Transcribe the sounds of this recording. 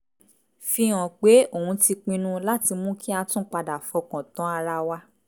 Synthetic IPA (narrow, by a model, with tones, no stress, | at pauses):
fĩ˧ɔ̃˨k͡pe˨˦o˦˨hũ˨˧ti˧k͡pĩ˧nũ˦la˦ti˧mũ˦kʰi˦a˧tũ˦k͡pa˧da˨fɔ˧kã˨tɔ̃˨˦a˧ɾa˧wa˧